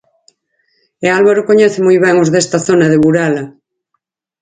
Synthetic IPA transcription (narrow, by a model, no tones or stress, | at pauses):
ealβaɾokoɲɛθemujβɛŋozðest̪aθonaðeβuɾala